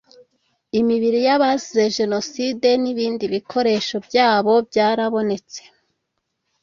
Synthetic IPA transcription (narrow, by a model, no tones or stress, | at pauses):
imiβiɾijaβazizeʒe̞no̞side̞niβiːndiβikʰo̞ɾe̞ʃo̞bjaːβo̞bɟaːɾaβo̞ne̞t͡se̥